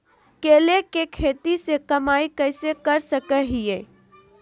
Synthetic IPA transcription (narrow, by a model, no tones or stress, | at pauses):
keːlekekʰeːt̪isekɐmaːikəːɪsekəɾsəkəɦieː